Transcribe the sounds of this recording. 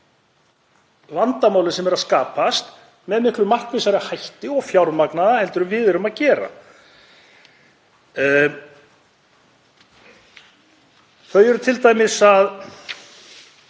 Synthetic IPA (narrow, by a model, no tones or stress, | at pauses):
vant̪amaːwlɪsɛmɛɾaðskaːpast̪ | mɛðmɪhklʏmar̥kvɪsaɾhajht̪ɪɔɣfjawɾmaknaðahɛlt̪ʏɾʏmvɪːðɛɾʏmaðcɛːɾa̰ | θœɥjɛɾʏt̪ʰɪlt̪aːjmɪsað